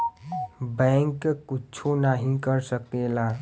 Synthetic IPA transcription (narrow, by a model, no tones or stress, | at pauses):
bəŋkkːut͡ʃʰunaɦĩkəɾsəkela